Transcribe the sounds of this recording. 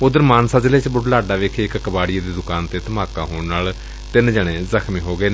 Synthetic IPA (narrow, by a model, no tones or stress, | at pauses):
ʊd̪əɾmaːnsaːd͡ʒɪleːt͡ʃbʊɖlaːɖaːʋeːkʰeːɪkkəbaːɽɪeːd̪iːd̪ʊkaːnt̪eːt̪əmaːkãːɦoːɳnaːl | t̪ɪnd͡ʒəɽ̃ẽːzəkʰmĩːɦoːɡəeːn